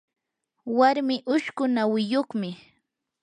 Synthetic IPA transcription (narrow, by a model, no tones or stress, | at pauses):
waɾmɪʔʊʃkʊnawɪjoχmɪ